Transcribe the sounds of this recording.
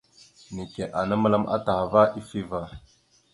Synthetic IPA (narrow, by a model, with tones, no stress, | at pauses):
ni˨ke˨ʔa˨na˦ma˦la˦mʔa̰˦ta˨ha˨va˦ʔi˦fi˦va˨